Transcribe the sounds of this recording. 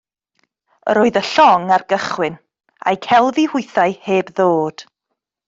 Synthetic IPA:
ə̰ɾoːɨðəɬɔŋarɡ̥əχwɪn | a̰jkʰɛlˠvihʊɨθajheːbðoːd̥

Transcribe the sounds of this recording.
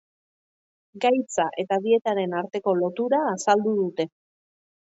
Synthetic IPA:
ɡajt͡saʔe̞t̪aðie̞t̪aɾe̞naɾt̪e̞ko̞lo̞t̪uɾaːsald̪uðut̪e̞

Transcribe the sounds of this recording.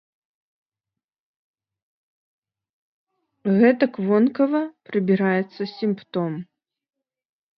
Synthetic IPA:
ɣɛt̪ɐkvɔnkɐvɐpɾɨbʲiɾajɛt̪sːɐsʲimpt̪ɔm

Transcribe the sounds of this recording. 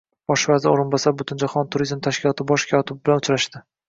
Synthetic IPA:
b̥ɒʃvazɪoɾɪnbɒsaɾbʊt̪ʰɪnd͡ʒaχɒnt̪ʰʊɾizmt̪ʰaʃkʲɪlˠɒt̪ʰɪbɒʃkʲʰɒt̪ʰɪbɪbɪlanʊt͡ʃʰɾaʃd̪ɪ

